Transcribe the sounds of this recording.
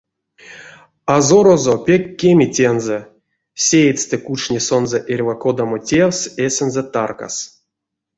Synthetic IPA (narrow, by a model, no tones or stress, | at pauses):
azoɾozopʲekʲːemʲitʲenzɛ | sʲej̪ʲst̪ɨkut͡ʃnʲesonzɛʔerʲvakod̪amotʲewsesʲɛnzɛt̪arka̰s